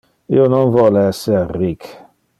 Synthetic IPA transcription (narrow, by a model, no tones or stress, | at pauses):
ionɔ̃nvɔlɛserik